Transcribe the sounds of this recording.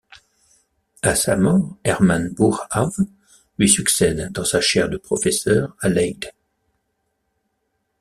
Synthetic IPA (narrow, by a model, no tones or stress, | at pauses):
asamɔʁɛʁmanbuʁav | lɥisyksɛd̪ːɑ̃saʃɛʁd̪əpχɔfɛsœːʁalɛjd̪